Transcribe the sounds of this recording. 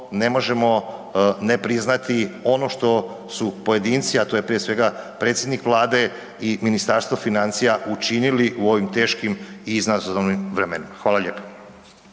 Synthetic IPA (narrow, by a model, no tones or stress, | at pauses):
ne̞mo̞ʒe̞mo̞ne̞pɾiznat̪io̞no̞ʃt̪o̞ | supo̞je̞d̪iːnt̪siat̪o̞je̞pɾijesʋe̞ɡapɾet̪sjed̪nikʋlˠaːd̪e̞ | iminist̪aɾst̪ʋofinant̪sijaut͡ʃiniliʔuo̞ʋimt̪e̞ːʃkimiznazoonimʋɾemenimaxʋaːlaʎe̞ːpo̥